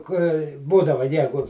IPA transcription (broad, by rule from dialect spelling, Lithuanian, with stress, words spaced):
kɐɪ ˈbuːdɐʋɐ ˈjæːɡʊ